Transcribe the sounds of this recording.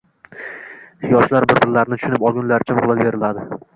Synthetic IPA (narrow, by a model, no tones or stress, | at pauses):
jɒʃlaɾbɪɾbɪɾlaɾnɪt̪ʰʊ̥ʃʊnɪpɒlˠɡʲʊnlaɾt͡ʃʰamqʊlˠabe̞ɾɪlad̪ɪ